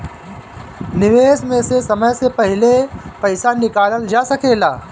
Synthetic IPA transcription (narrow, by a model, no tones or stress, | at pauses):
nɪʋeːsmesesɐməjsepɐɦɪlepɐɪsanɪkaːləld͡ʒasɐkeːlaː